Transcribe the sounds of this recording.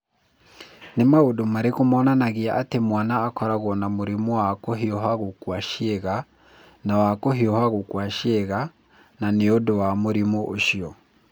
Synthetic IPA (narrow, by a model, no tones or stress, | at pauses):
nemaodomaɾekumɔnanaɣiaʔːtemwaːnaːkɔɾaɣɔnamuɾimuwakɔɦiɔɦaɣukwaʃiɛɣa | nawakɔɦiɔhaɣukwaʃɛɣa | naneodɔwamuɾimuʔoʃiɔ